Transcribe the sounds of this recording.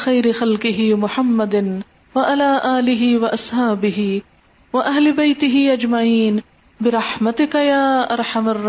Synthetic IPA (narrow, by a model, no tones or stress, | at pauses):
xajɾɪxɐlqɪɦɪmʊħamːɐd̪n | waʔalaːʔaːlɪɦɪwaʔɐsˤhaːbɪɦɪ | wɐʔaɦlɪbajt̪ɪɦɪːʔad͡ʒmaʕiːn | bɪɾˤɑħmɐt̪ɪkajaːʔɑɾˤħamɐrˤː